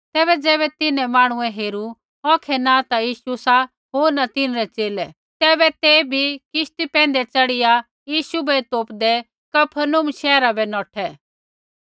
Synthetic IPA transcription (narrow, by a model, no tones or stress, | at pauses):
t̪ɛːβɛd͡zɛːβɛt̪ɪnɛ̃maːɽ̃ʊɛ̃ɦeːɾu | ɔːkʰɛnat̪ajiːʃusa | ɦoːɾnat̪ɪnɾɛt͡ʃeːlɛ | t̪ɛːbɛt̪ebʱikɪʃt̪ipɛ̃ːnd̪ɛt͡sɐɽɪja | jiːʃubɛt̪oːpd̪ɛ | kɐpʰənʊmʃɛːɾabɛnɔːʈʰɛ